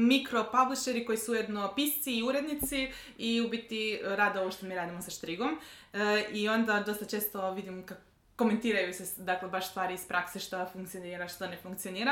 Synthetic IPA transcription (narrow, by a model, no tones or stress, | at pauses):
mikɾo̞pabliʃeɾiko̞jisuuje̞d̪no̞pist̪siːuɾe̞d̪nit̪si | iubit̪iɾaːd̪oʋoʃt̪omiɾaːd̪imosaʃt̪ɾiɡom | io̞nd̪ad̪o̞st̪at͡ʃe̞ːst̪o̞ʋid̪imka | kːo̞me̞nt̪iːɾajused̪aklebaʃst̪ʋaːɾiispɾʔakseʃt̪ofuŋkt̪sioniːɾaʃt̪onefuŋkt̪sio̞niːɾa